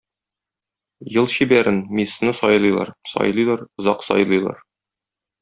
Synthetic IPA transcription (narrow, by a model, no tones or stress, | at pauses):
jɤlˠɕibæɾɘnmisnɤsɒjlˠɤjlˠɑ̰ɾsɒ̰jlˠɤjlˠɑɾŏzɑqsɒ̰jlˠɤjlˠɑ̰ɾ